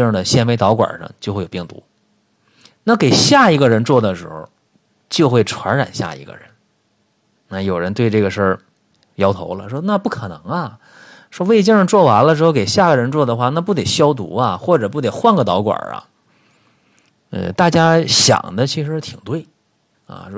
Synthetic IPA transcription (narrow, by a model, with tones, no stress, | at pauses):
ə˨˩ɕjɛ˥nme˧˥ɪt̪ɑ˧˥ʊkwa̰˨˩ʂə̰˥ŋt͡ɕjxe˥˩j̬i˥˩ŋt̪ṵ˧˥ | na˥˩ke˨˩ɪɕja˥˩i˧˥ɡə˧ɻə˧˥nt͡swɔ˥˩d̪ə˩ʂɻ̩˧˥xo̰˧˩ʊ | t͡ɕjo˥˧ʊxwe˥˩ɪʈ͡ʂʰwa˧˥nɻa̰˨˩nɕja̰˥˩ḭ˧˥ɡə̰˧ɻə̰˧˥n | na˥˩jo˨˩ʊɻə˧˥nt̪we˥˧ɪʈ͡ʂɤ˥˩ɡə˩ʂə˞˥˩ | jɑ˥ʊt̪ʰo̰˧˥ʊlə̰˧ʂwɔ˥na˥˧pu˥˩kʰɤ˨˩nɤ̰˧˥ŋɐ˧ | ʂwɔ˥we˥˩ɪt͡ɕjɛ˥ʂɑ˥˧ŋt͡swɔ˥˩wa˧˥nlə˧ʂɻ̩˧˥xke˨˩ɪɕja˥˩ɡə˩ɻə˧˥nt͡swɔ˥˩d̪ə˩xwa˥˩na˥˧p̬u˥˩t̪e˨˩ɪɕjɑ˥ʊt̪ṵ˧˥ɐ˧xwɔ˥˩ʈ͡ʂɤ˨˩p̬u˥˩t̪e˨˩ɪxwa˥˧nɡə˨˩t̪ɑ˧˥ʊkwə̰˨˩ɐ̰˧˩ | ə̰˧t̪a˥˩t͡ɕja˥ɕjɑ̰˨˩ŋd̪ə˦t͡ɕʰi˧˥ʂɻ̩˧˥t̪ʰi˨˩ŋt̪we˥˩ɪ | ɐ̰˨˩˥